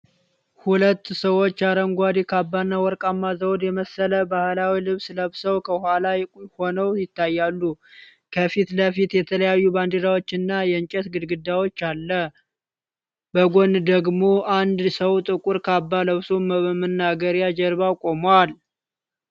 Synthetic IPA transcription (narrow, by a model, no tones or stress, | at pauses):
hulət̪ːsəwo̞t͡ʃːaɾəŋɡʷad̪ikʰabːanːawɔɾkʼamːazəwd̪jɛməsələbahlawilɨβsləβsəwkʰəhʷwalajɛkʼho̞nəwjɪt̪ːajːalːu | kʰəfit̪ləfit̪jɛt̪ʰələjajːuband̪iɾawo̞t͡ʃːɪnːajɛɨɲt͡ʃʼɛt̪ɡɨd̪ɡɨd̪ːawo̞t͡ʃːalːə | bəɡond̪əɡmo̞ʔand̪səwt̪ʼɨkʼuɾkʰabːaləβsuməəmənːaɡəɾjad͡ʒɛɾbawkʼo̞mwal